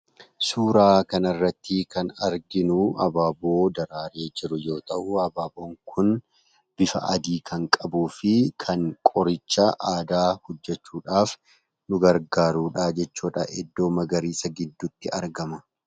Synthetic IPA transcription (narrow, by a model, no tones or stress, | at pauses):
suːɾaːkɐnɐrːɐt̪ːɪkɐnɐɾɡɪnʊɐ̰baːboːd̪ɐɾaːɾe̞ːd͡ʒɪɾʊjo̞ːt̪ɐʔʊɐbaːboːŋkʰʊn | b̥ɪfɐ̰ʔɐd̪iːkʰɐŋkʼɐbuːfɪkʰɐŋkʼɔɾɪt͡ʃːɐʔaːd̪aːhɔd͡ʒːɛt͡ʃːuːᶑaːf | nʊɡɐɾɡaːɾuːᶑaːd͡ʒɛt͡ʃːuːᶑɐ̰ʔɛd̪ːo̞ːmɐɡɐɾiːsɐɡɪd̪ːʊt̪ːɪʔɐɾɡɐmɐ